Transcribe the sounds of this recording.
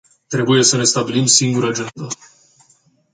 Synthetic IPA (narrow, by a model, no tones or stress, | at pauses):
t̪ɾe̞buje̞səne̞st̪abilimsiŋɡuɾəad͡ʒend̪ə